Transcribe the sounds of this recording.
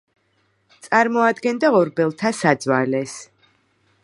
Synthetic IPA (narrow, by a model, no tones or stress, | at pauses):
t̪sʼaɾmɔad̪ɡɛnd̪aɔɾbɛlˠt̪ʰasad̪zwalɛs